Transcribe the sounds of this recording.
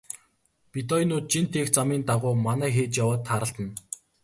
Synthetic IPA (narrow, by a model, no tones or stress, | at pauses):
pit̪ɔjnuːt̪̚t͡ɕint̪ʰːext͡samiːnt̪aʁʊːmanæːxeːt͡ɕjawaːt̪ʰːaːɾə̆ɬt̪ə̆n